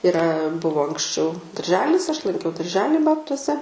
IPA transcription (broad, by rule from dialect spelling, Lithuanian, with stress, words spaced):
ɪˈrɐ ˈbʊʋoː ɐŋksʲˈt͡ʃʲɛʊ dɐrʲˈʒʲæːlʲɪs ɐʃ lˠɐŋʲˈkʲɛʊ dɐrʲˈʒʲæːlʲiː ˈbɑːptuɔsʲɛ